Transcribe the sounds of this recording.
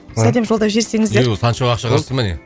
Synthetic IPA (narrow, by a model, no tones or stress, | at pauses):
sæd̪e̞mʒolˠd̪ɑʒe̞ɾse̞ŋɪzd̪eɾsʰɑnʃowɑqʃɑqəɾsəmɪnḛ